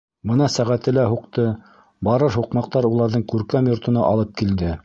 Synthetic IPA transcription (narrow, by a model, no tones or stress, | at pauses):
bɤnɑsæʁæt̪ɘ̆læɦuqt̪ɤ | bɑɾɤɾɦuqmɑq̚t̪ɑɾulˠɑɾðɤɴkʉɾkæmjŏɾt̪ŏnɑʔɑlˠɤp̚kild̪ɘ